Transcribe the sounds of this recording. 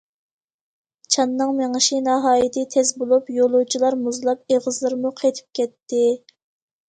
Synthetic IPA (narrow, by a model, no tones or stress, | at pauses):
t͡ʃʰɑnːɨŋmeŋəʃinɑɦɑːjit̪ʰɨt̪ʰɛzbolˠupjolˠut͡ʃʰilˠɑɾmuzlˠɑp̚eʁəzlˠɨɾmuqʰet̪ʰɪ̥p̚kʲɛt̪ːɪ